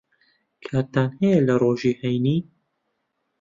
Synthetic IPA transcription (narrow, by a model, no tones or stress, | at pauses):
kʰaːɾt̪aːnhɛjɛlɐroːʒiːhɛjniː